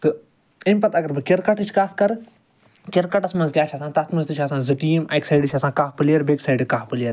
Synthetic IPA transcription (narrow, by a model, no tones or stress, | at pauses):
t̪ɨ | imʲpɐt̪ɐɡɐɾbɨkeɾkɐʈɨt͡ʃʰkaːskɐɾ | kʲeɾkɐʈɐsmɐnzɡʲjaːt͡ʃʰaːsãːt̪ɐt̪ʰmɐzt̪ɨt͡ʃʰaːsãːzɨʈiemajksaːjɖɨt͡ʃʰasãːkaːɦpɨlijɐɾbeːksaːjɖkaːpɨlɐɾ